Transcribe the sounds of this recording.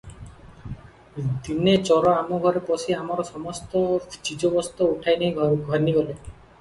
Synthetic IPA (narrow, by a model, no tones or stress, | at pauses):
d̪inet͡ʃɔɾɔamuɡʱɔɾepɔsiamaɾɔsɔmɔst̪ɔt͡ʃid͡ʒobɔst̪ɔuʈʰajneɦĩɡʱɔɾniɡɔle